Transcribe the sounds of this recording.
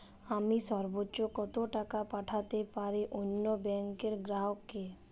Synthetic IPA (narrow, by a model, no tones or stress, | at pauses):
amiʃɔɾbotːɕokɔt̪oʈakapaʈʰat̪epaɾiʔonːobɛŋkeɾɡɾaokːe